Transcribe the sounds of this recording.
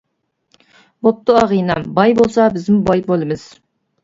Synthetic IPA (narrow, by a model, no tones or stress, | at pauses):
bop̚t̪ʊɑʁijnɑmbɑjbolˠsɑbɪzmʊbɑjbolˠɨmɨz̥